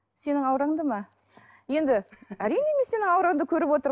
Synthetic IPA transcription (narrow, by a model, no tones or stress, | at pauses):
se̞nɪŋɑwɾɑɴd̪əmɑ | je̞nd̪ɪæɾijneme̞se̞nɪŋɑwɾɑɴd̪əkʲʰɵɾɪpwo̞t̪əɾ